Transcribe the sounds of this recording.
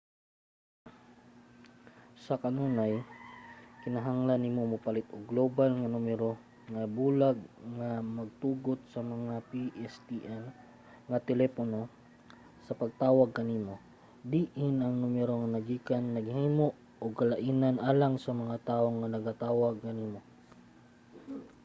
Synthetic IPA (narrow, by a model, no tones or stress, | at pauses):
sɐkɐnuːnaj | kɪnɐɦaŋlanːimomʊpalɪt̪oɡlobalŋɐnumɛɾo̞ | ŋɐbuːlaɡ̚ŋamɐɡ̚t̪uːɡot̪̚sɐmɐŋapiʔɛst̪iʔɛl | ŋɐt̪ɛlɛpono̞ | sɐpɐɡ̚t̪aːwɐɡ̚kɐniːmo̞ | d̪iːʔɪnɐŋnumɛɾoŋɐnɐɡiːkanːɐɡhiːmoʔ | oɡ̚kɐlɐʔiːnanʔaːlaŋsɐmɐŋat̪aːʔoŋːɐnɐɡat̪aːwɐɡ̚kɐniːmo